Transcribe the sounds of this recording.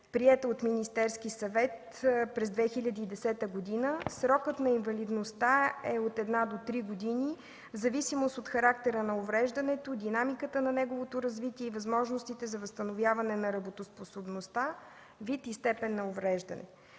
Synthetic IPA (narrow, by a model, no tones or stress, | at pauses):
pɾiɛt̪əot̪minist̪ɛɾskisɐvɛt̪ | pɾɛzd̪vɛxilʲəd̪iːd̪ɛsɛt̪əɡod̪inəsɾɔkət̪nɐinvɐlid̪nost̪aɛot̪ɛd̪nad̪ot̪ɾiɡod̪ini | zɐvisimost̪ot̪xɐɾak̚t̪ɛɾənɐovɾɛʒd̪ɐnɛt̪od̪inamikət̪ənɐnɛɡovot̪oɾɐzvit̪iɛivɐzmɔʒnost̪it̪ɛzɐvəst̪ɐnovjavɐnɛnɐɾɐbot̪osposobnost̪a | vit̪ist̪ɛpɛnːɐovɾɛʒd̪ɐ̰nɛ̰